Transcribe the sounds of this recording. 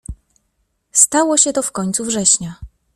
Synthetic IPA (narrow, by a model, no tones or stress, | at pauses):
st̪awɔɕɛt̪ɔfkɔɲt̪suvʐɛɕɲa